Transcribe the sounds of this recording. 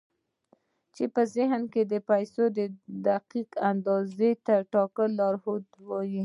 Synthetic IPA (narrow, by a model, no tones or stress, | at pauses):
t͡ʃepəzɪɦnked̪əpajsod̪əd̪aqiqand̪ɑzet̪aʈɑkəlɑɾhod̪wɑji